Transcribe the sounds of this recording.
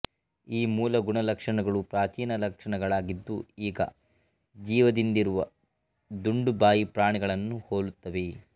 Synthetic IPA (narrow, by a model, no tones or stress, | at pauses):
iːmuːlɐɡuɳɐlɐkʂɐɳɐɡɐɭupɾaːt͡ʃiːnɐlɐkʂɐɳɐɡɐɭaːɡid̪ːuiːɡɐ̰ | d͡ʒiːʋɐd̪ind̪iɾuʋɐ | d̪uɳɖubaːjipɾaːɳiɡɐɭɐnːuhoːlut̪ːɐʋe̞